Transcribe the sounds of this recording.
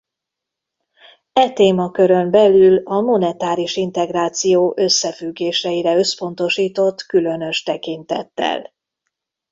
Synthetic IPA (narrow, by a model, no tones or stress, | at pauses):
ɛt̪eːmɒkø̞ɾø̞mbɛlylɒmo̞nɛt̪aːɾiʃint̪ɛɡraːt̪sijoːʔø̞sːɛfyɡːeːʃɛiɾɛø̞spo̞nt̪o̞ʃiːt̪o̞t̪kylø̞nø̞ʃt̪ɛkint̪ɛ̰t̪ːɛ̰l